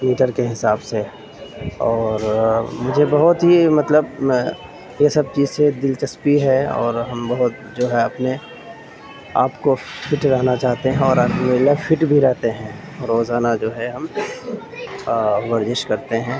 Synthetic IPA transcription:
miːʈəɾkeɦɪsaːbse | ɔːɾmʊd͡ʒʱebɐɦʊt̪ɦimɐt̪ləb | jesɐb̚t͡ʃiːzsed̪ɪlt͡ʃɐspiɦɛɔ̰ːɾɦɐmbɐɦʊt̪̚ | d͡ʒoːɦɛɐpne | a̰ːpkopʰɪʈɾɐɦnat͡ʃaːɦt̪eɦɛ̃ɔːɾaːkmelafʰɪʈbʱiɾɛɦt̪eɦɛ̃ː | ɾoːzaːnad͡ʒoːɦɛɦɐm | ʋəɾd͡ʒɪʃkɐɾt̪eɦɛ̃ː

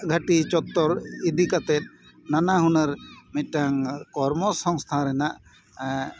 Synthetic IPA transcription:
ɡʱaʈit͡ʃɔt̪ːɔɾid̪ikat̪ɛt̪̚ | nanaɦunəɾmic̪̚ʈaŋkɔɾmɔsɔŋst̪ʰaɾɛnaʔ

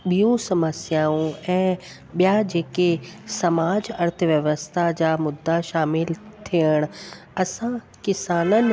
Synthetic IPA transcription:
ɓijõsɐməsjaːũɛ̃ː | ɓijad͡ʑeːkesɐmaːd͡ʑɐɾt̪ʰəʋjɐʋəst̪ʰad͡ʑaːmʊd̪ʱːaʃaːmɪlt̪ʰiəɽ̃ | ɐsã | kɪsaːnənɪ̆

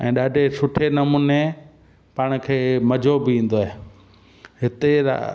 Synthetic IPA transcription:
ɛ̰̃ːɗaːɖʱesʊʈʰenɐmuːne | paːɽ̃̆kʰeːmɐd͡ʑʱobɪĩːn̆d̪oaɦe | ɦɪt̪eɾa̰

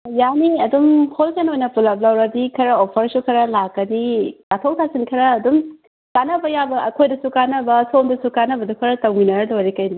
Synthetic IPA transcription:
janiɐdumhʰolsenojnɐpulɐp̚lɐwɾɐdikʰɐɾɐopʰɐɾsukʰɐɾɐlakːɐdikatʰowtʰasinkʰɐɾɐːdum | kanɐbɐjabɐɐkʰojdɐsukanɐbɐsomdɐsukanɐbɐdukʰɐɾɐtɐwminɐɾɐlojɾikɐjdi

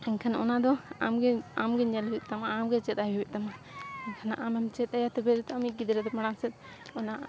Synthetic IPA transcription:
ɛnkʰanaʔɔnad̪ɔa̰mɡɛamɡɛɲɛluwɛt̪amaːmɡɛt͡ʃɛt̪̚ajɦuwɛʔ̚t̪amaɛnkʰana̰ʔamɛmt͡ʃɛt̪̚ajat̪ɛbɛɾɛt̪ɔamiʔɡid̪ɾɛd̪ɔmaɽaŋsɛt̪̚ | ɔna

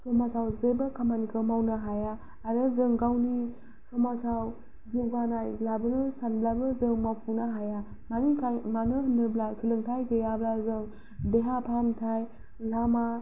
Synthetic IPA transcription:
sɔmasawzebakʰamanikʰɯmawnaɦajaː | ɾɯzɯŋɡawni | sɔmasaw | ziwɡanajlabɯnɯsanblabɯzɯŋmapʰunaɦaja | manikʰajmanɯɦɯnːɯblasulɯŋtʰajɡejablazɯŋ | deɦapʰantʰaj | lama

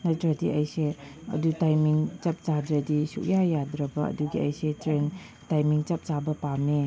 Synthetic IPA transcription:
nɐtɾɐdiɐjseɐ̰dutajmiŋt͡ʃɐp̚t͡ʃadɾɐdisṵk̚jajadɾɐbɐɐ̰duɡiɐ̰jsetɾen | tajmiŋt͡ʃɐp̚t͡ʃabɐpamne

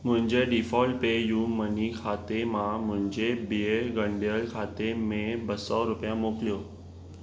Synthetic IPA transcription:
mʊ̃ɦɪ̃ɲd͡ʑeɖifɔːlʈ̚pejũːmənikʰaːt̪emãmʊ̃ɦɪ̃ɲd͡ʑebieɡə̃ɳɖjəlkʰaːt̪emẽbəsɔɾʊpjãmoːklijoː

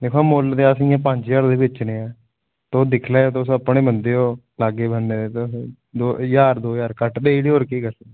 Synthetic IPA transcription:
d̪eːkʰoaːmoːld̪easijãːp̬əɲd͡ʒjaːɾd̪eːbɪt͡ʃneːɛː | t̪oːd̪ɪkʰleːot̪osəpːɳeːbənd̪eːoː | laːɡeːbənd̪eet̪s | d̪oːjaːɾd̪oːjaːɾkəʈd̪eːiɽioːɾkiːkəɾsək̪̚ː

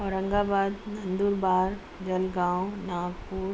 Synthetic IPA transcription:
ɔːɾɐ̃ŋɡaːbaːd̪nɐ̃nd̪uːɾbaːɾ | d͡ʒɐlɡãːnaːɡpuːɾ

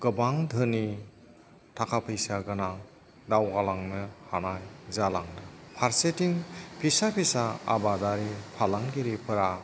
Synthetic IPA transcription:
ɡ̥ɯbaŋdʱɯni | tʰakʰapʰɯjsaɡɯna | dawɡalaŋnɯhanajzalaŋnɯpʰaɾsetiŋpʰisapʰisaa̰badaɾipʰalaŋɡiɾipʰɯɾa

